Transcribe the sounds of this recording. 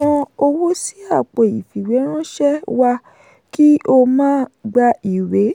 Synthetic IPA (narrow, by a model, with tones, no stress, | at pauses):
ã˧o˧wo˦si˦a˦˨k͡pe˨i˨fi˨we˨˦ɾ̃ã˦ʃɛ˦wa˧ | ki˦o˧mãː˦ɡ͡ba˧i˨we˨˦